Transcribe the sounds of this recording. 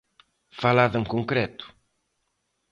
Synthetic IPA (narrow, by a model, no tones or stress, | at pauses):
falaðẽŋkõŋkɾɛt̪u̥